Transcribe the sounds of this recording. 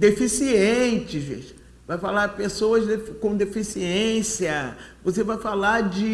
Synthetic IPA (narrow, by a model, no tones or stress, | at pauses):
d̪efisiẽt͡ʃɪzvḭʃ | vajfalapesowɐzd̪efkõd̪efisiẽsiɐvosevajfalad͡ʒɪ